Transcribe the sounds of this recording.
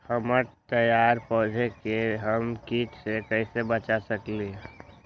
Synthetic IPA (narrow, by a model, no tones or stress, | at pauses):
həməɾt̪əjaːɾpɔɦd͡ʒʱekeɦəmkit͡ʃsekəisebət͡ʃasəkliɦɛ